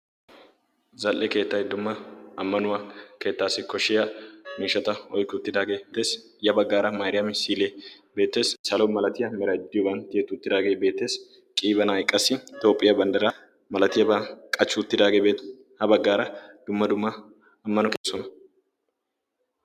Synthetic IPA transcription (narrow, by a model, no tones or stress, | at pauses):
zɐlʔɛke̞ːt̪ːɐjd̪ʊmːɐɐmːɐnʊwaːke̞ːt̪ːaːsɪkɔʃːɪjɐmiːʃːɐt̪ɐɔjkːʊʊt̪ːɪd̪aːɡe̞ːt̪ːe̞ːs | jɐbɐɡːaːɾɐmaːɾɪjɐmɪsiːle | be̞ːt̪ːe̞ːssɐlɔmɐlɐt̪ɪjɐmɛɾɐɪd̪ːɪjɔbɐnt̪jeːt̪ːʊʊt̪ːɪd̪aːɡe̞jbe̞ːt̪ːe̞ːs | kʼiːbɐnaːjkʼːɐsːɪt̪o̞ːpʼːɪjɐbɐnd̪ɐɾɐ | mɐlɐt̪ɪjɐbɐkʼɐt͡ʃːʊʊt̪ːɪd̪aːɡebeːt̪ | hɐbɐɡːaːɾɐd̪̥ʊmːɐd̪ʊmːɐː | mːɐnʊke̞ːsːɔnɐ